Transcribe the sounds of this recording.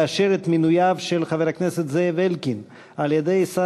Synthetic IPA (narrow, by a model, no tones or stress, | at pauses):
aʃeɾet̪minujavʃelχaveɾhakneset̪zevelkin | aljed̪ejsa